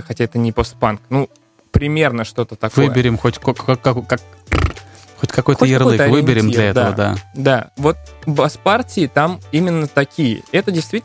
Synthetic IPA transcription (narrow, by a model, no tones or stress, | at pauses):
xɐtʲaɛt̪ənʲɪpost̪̚panknu | pɾʲɪmʲe̞rnəʂt̪o̞t̪ət̪ɐkvɨjəbʲɪɾʲɪmxo̞tʲkoɐkokak̚ | xotʲkɐko̞jxt̪əjɪrlˠɨt̪ɐvɨbʲɪɾʲɪmd̪lʲɐɛtd̪əvəd̪a̰d̪avo̞t̪̚bɐspartʲɪɪt̪amimʲɪnːət̪ɐkʲijə̰ɛt̪ədʲɪjst̪vʲit̪ʲ